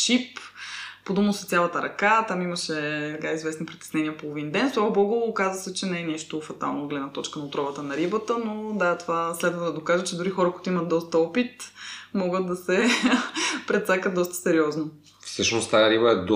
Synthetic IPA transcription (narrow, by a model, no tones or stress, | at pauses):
t͡ʃip | pod̪unost̪jalˠɐt̪əɾɐkat̪amimɐʃɛsɛkaizvɛsnipɾit̪ɛ̥snɛniəpolˠovind̪ɛnslˠabɔɡolˠokazəsɛt͡ʃɛnɛɛnɛʃt̪ofɐt̪a̰lˠnoɡlɛd̪nət̪ɔt͡ʃkənɐot̪ɾɔvət̪ənɐɾibət̪ənod̪at̪ovaslɛd̪vəd̪ɐd̪okaʒət͡ʃɛd̪ʊɾixɔɾəkuit̪ʊimɐt̪̚d̪ɔst̪ɐɔpit̪mɔɡət̪̚d̪ɐsɛ | pɾɛt̪sakət̪d̪ɔst̪ə̥sɛɾiɔzno | fsɤʃnost̪ajəɾibəɛd̪